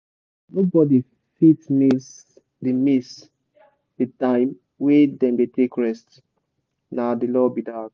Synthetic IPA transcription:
nobɔdi | fitmis | dimis | ditãɪ̃m | wɛdɛ̃mbetekɹɛst | nadilɔbidad

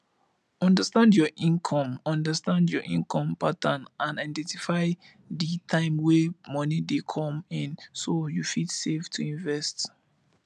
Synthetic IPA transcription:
ɔ̃ndəstãndjɔʔĩnkʰɔ̃mɔ̃ndəstãndjɔʔḭ̃nkʰɔ̃mpatãnʔãnaɪdɛ̃ntifaɪ | ditʰãɪ̃mwemɔnidekʰɔ̃mĩnsojufitseftʰuĩnvɛst

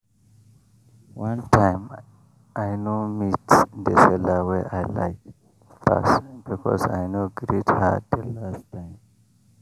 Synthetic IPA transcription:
wãntʰãɪm | ʔajnomitd̪ɛsɛlaweʔajla̰ɪk | fa̰sbikʰɔ̰sa̰jnoɡɾitha̰dd̪ɛlastãɪm

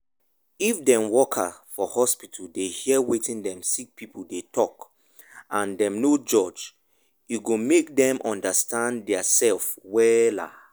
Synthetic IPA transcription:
ifdɛ̃mwɔkʰafɔhɔspitʰuldehiɛwetĩndɛ̃msik̚pʰipʰuldetʰɔk | ãndɛ̃mnod͡ʒɔd͡ʒ | juɡomek̚dɛ̃mʔɔ̃ndastãndɛasɛlfwɛla̰

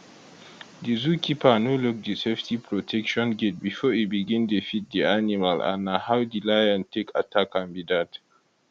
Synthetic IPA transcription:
dizukʰipanoluk̚diseftʰipʰɹɔtʰɛkʃɔ̃nɡet̚bifɔitbiɡĩndefit̚dianimalʔa̰nahawdilajãntʰekatʰakãmbidat

